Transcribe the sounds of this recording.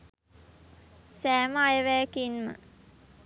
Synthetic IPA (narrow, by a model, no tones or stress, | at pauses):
sæːmajəʋæːkinmə̰